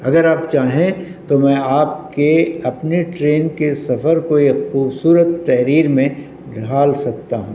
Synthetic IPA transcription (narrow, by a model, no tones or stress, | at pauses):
ɐɡəɾaːpt͡ʃaːɦẽt̪omɛ̃aːp̚keɐpneʈɾeːnkesɐfəɾkoexuːbsuːɾət̪ːɛɦɾiːɾmẽ | ɖʱaːlsɐk̚t̪aɦũː